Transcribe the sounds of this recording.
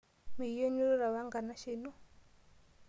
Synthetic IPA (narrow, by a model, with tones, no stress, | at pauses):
mi˨˦jɔ˦ɲu˦ɾɔ˦ɾa˨βa˦ŋɡa˨na˦ʃi˦nɔ˦